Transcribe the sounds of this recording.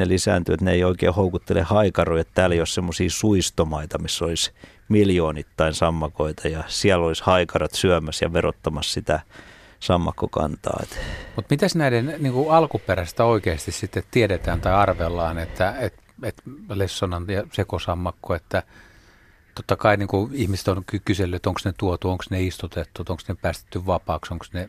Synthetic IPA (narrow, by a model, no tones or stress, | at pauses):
nelisæ̰ːnt̪yet̪neeioikḛːhoukut̪ːelehɑikɑroiet̪t̪æːleijossemːosiːsuist̪omɑit̪ɑmisːolis | miljoːnit̪ːɑinsɑmːɑkoit̪ɑjɑsiælːolishɑikɑrɑt̪syæmæsjɑ̰ʋerot̪ːɑmɑssit̪æ | sɑmːɑkːokɑ̰nt̪ɑ̰ːḛt̪mut̪mit̪æsnæidenniːŋkuɑlkuperæst̪æoikeːst̪issit̪ːett̪iedet̪æːnt̪ɑiɑrʋelːɑːnet̪ːæet̪ | et̪lesːonɑnjɑsekosɑmːɑkːoet̪ːæ | t̪ot̪ːɑkɑiniːŋkuihmise̥t̪onkykyselːyet̪oŋksnet̪uot̪uoŋksneist̪ut̪et̪ːut̪oŋksnepæːst̪e̥t̪ːyʋʋɑpɑːksoŋksne